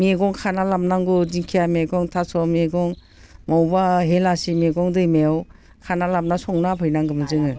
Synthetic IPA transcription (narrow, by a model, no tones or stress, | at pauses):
mieɡɔŋkʰanalamnaŋɡudiŋkʰijamiɡɔŋtʰasɔmiɡɔŋ | mɔwbaɦelasimiɡɔŋdɯjmeaw | kʰanalamnasɔŋnapʰɯjnaŋɡɯmɯzɯŋɯ